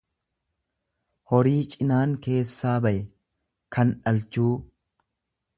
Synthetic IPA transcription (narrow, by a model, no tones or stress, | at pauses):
hɔɾiːt͡ʃʼɪnaːŋke̞ːsːaːbɐʔɛ | kʰɐnᶑɐlt͡ʃuː